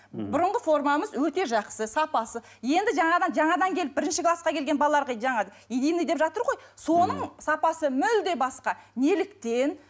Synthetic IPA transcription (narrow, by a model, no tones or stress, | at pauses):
bʊɾəɴʁəfo̞ɾmɑməzwɵt̪e̞ʒɑqsəsɑpɑsə | je̞nd̪ɪʒɑɴɑd̪ɑnʒɑɴɑd̪ɑŋkʲʰe̞lɪp̚bɪɾɪnʃɪkʰlˠɑsqɑkʲʰe̞lɡʲe̞nbɑlˠlˠɑɾʁɑʒɑɴɑ | ijd̪ejnijd̪e̞pʒɑt̪əɾʁo̞jso̞nəɴsɑpɑsəmʏld̪e̞bɑsqɑnelɪkt̪e̞n